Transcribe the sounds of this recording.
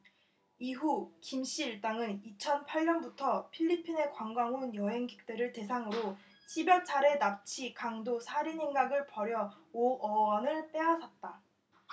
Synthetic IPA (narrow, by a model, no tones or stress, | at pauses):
iɦukimɕ͈iːɭt͈aŋɯnit͡ɕʰʌnpʰaɭɲʌnbutʰʌpʰiʎːipʰine̞kwaŋɡwaŋonjʌɦe̞ŋɡik̚t͈eɾɯɭte̞s̬ʰaŋɯɾo | t͡ɕʰibjʌt͡ɕʰaɾe̞nap̚t͡ɕʰikaŋdosʰaɾiɲiŋɡaɡɯɭpʌɾjʌ | oʌʌnɯɭp͈e̞ɦasʰʌt̚t͈a